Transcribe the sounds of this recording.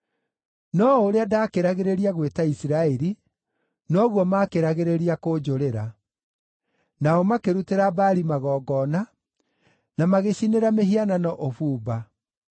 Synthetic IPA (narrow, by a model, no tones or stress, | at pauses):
nɔoɾeadaːkeɾaɣeɾeɾiaɣwetaisiɾaɛɾi | nɔɣwɔmakeɾaɣeɾeɾiakod͡ʒoɾeɾa | naɔmakeɾuteɾabaːɾimaɣɔːɡɔna | namaɣeɕineɾameɦiananɔʔofuːba